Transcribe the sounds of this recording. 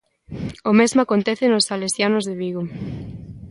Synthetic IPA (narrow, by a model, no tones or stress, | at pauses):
omezmoakont̪ɛθenosalesjanozðeβiɣo